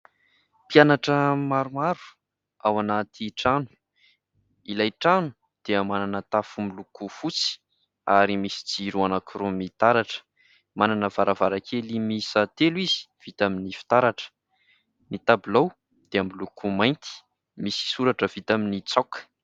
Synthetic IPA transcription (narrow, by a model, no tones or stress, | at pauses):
pjanaʈ͡ʂəmaɾumaɾu̥ | awanat̪ʰiʈ͡ʂanu̥ | ilajʈ͡ʂanu̥ | d̪̥eəmananət̪afumilukufut͡si̥ | aɾimisi̥d͡ziɾuanakurumit̪aɾaʈ͡ʂə̥ | mananəvaɾavaɾakʰelimisat̪elwizi̥v̥it̪aminifi̥t̪aɾaʈ͡ʂə̥ | mit̪abulow | d̪̥eamilukʰumajnt̪i̥ | misi̥suɾaʈ͡ʂəv̥it̪aminit͡sakə̥